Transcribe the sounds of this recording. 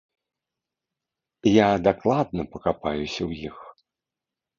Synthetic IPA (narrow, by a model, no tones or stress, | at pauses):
jad̪aklˠad̪̚nɐpɐkapajusʲɐwjix